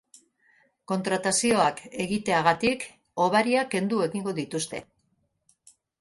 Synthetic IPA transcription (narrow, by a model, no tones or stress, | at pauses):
ko̞nt̪ɾat̪asio̞ake̞ɣit̪e̞aɣ̞at̪ik | o̞β̞aɾiake̞nd̪ue̞ɣiŋɡo̞ðit̪ust̪e̞̰